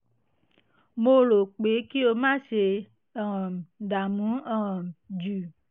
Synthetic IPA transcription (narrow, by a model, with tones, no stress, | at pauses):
mo˦lo˨k͡pe˨˦ki˦o˨mã˦se˨ | ɔ̃˨m˨ɖa˨mũ˨˦ɔ˨ɔ̃˨md͡ʒu˨